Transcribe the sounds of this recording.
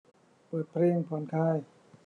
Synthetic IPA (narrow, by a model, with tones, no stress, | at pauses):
pɤː˨˩t̪̚pʰɾeː˧˥˩ŋpʰɔː˩˦nkʰaː˧˥˩j